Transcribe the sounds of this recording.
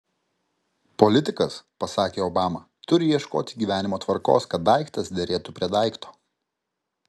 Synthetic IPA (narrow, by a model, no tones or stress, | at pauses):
pɔlʲɪt̪ʲɪkɐspɐsɑːkʲeːɔːbɑːmɐ | t̪ʊɾʲɪjiɛʃkoːt̪ʲɪɡʲiːʋʲæːnʲɪmoːt̪ʋɐɾko̰ːskɐt̪̚d̪ɐɪkt̪ɐsd̪ʲɛɾʲeːt̪ʊpʲɾʲiɛd̪ɐɪkt̪o̥ː